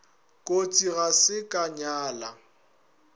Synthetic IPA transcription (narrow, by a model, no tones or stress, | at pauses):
kʼot͡sʼiɣasɪkʼaɲaːla